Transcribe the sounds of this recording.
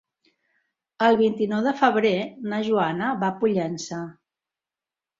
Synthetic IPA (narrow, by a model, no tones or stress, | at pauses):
əlˠβint̪inɔwðəfəβ̞ɾenəʒuanəβapuʎɛnsə